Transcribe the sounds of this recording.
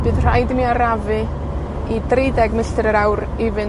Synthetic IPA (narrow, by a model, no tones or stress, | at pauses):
b̥ɨːðr̥ajdəmiaɾavɨ | idrejdɛɡməɬtɨɾəɾawɾ | ɪvɨ